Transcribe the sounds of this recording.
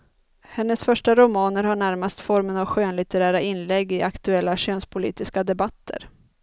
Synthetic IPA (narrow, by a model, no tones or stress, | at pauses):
hɛnːəsfœʂʈaɾʊmɑːnəɾhaɳæɾmast̪fɔɾmənavɧøːnlɪt̪əɾæːɾaʔɪnlɛɡːɪʔakt̪ɵɛlːaɕøːnspʰʊlḭːt̪ɪskad̪ɛbat̪ʰːə̰ɾ